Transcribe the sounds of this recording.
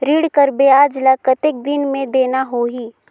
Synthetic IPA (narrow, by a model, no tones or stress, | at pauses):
ɾiːɽkəɾbeaːd͡ʒlakət̪ek̚d̪ɪnmẽd̪eːnaɦoːɦiː